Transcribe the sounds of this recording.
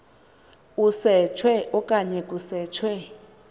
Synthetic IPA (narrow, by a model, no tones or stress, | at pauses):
usɛt͡ʃʰwɛʔɔkʼaɲɛk̬ʼusɛːt͡ʃʰwɛ